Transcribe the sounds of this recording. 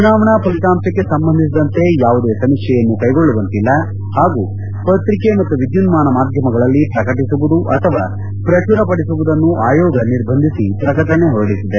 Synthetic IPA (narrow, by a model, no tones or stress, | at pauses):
t͡ʃunaːʋɐɳaːpɐlit̪aːmsɐkːe̞sɐmbɐnd̪ʱisid̪ɐnt̪e̞jaːʋud̪e̞ːsɐmikʂɛjɐnːukɐjɡoɭːuʋɐnt̪ilːɐ | haːɡuː | pɐt̪ɾikemɐt̪ːuʋid̪junmaːnɐmaːd̪ʱjɐmɐɡɐɭɐlːipɾɐkɐʈisuʋud̪uʔɐt̪ʰɐʋaː | pɾɐt͡ʃuɾɐpɐɽisuʋud̪ɐnːuʔaːjɔːɡɐniɾbʱɐnd̪ʱisipɾɐkɐʈɐɳe̞ɦɔɾɐɽisid̪e